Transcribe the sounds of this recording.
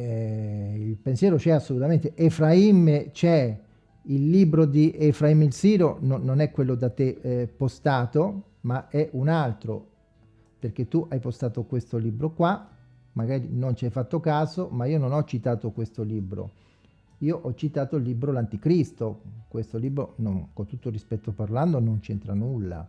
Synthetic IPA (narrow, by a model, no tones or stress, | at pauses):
ilpensjɛːɾot͡ʃɛasːolut̪ament̪eʔefɾaimet͡ʃɛ | ilːiːbɾod̪iefɾaimilsiːɾonononɛkːwelːod̪at̪ːepːost̪aːt̪o | maɛʔunalt̪ɾo | perk̟et̪ːuʔajpost̪aːt̪okwest̪oliːbɾokwa | maɡaːɾinont͡ʃiajfat̪ːokaːzomaiːononɔt͡ʃːit̪aːt̪okwest̪oliːbɾo̰ | iːoʔɔt͡ʃːit̪aːt̪oilːiːbɾolant̪ikɾist̪okwest̪oliːbɾononkont̪ut̪ːorispɛt̪ːoparland̪onont͡ʃɛnt̪ɾanulːa̰